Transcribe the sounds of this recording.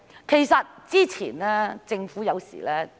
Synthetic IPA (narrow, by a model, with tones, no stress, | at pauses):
kʰe˨˩jsɐ˨t̚t͡siː˥t͡sʰḭː˨˩nɛː˥t͡sɪ˧ŋfuː˨˥jɐ˨˧wsḭː˨˩lɛː˥